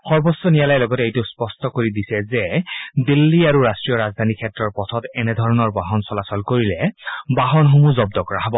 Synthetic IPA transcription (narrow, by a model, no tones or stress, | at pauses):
xɔɹbɔsːɔnijalajlɔɡɔtɛejtʊspɔstɔkoɹidisɛzɛdilːiaɹuɹastɹijɔɹazd̪ʱanikʰɛtːɹɔɹpɔtʰɔtɛnɛdʱɔɹɔnɔɹbaɦɔnsɔlasɔlkoɹilɛbaɦɔnxomuzɔb̚dɔkɔɹaɦabɔ